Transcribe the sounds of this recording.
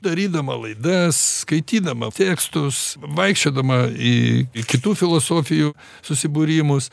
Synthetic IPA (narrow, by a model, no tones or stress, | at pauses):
d̪ɐɾʲiːd̪ɐmɐlˠɐɪd̪ɐsskɐɪt̪ʲiːd̪ɐmɐ̰t̪ʲeːkst̪ʊsʋɐɪkʃʲt͡ʃʲoːd̪ɐmɐikʲɪt̪uːfʲɪlˠosoːfʲɪjuː | sʊsʲɪbʊɾʲiːmʊs